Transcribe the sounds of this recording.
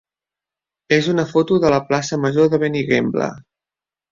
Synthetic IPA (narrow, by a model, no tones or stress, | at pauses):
ezunəfot̪uðələplasəməʒoðəβeniɣemblə̰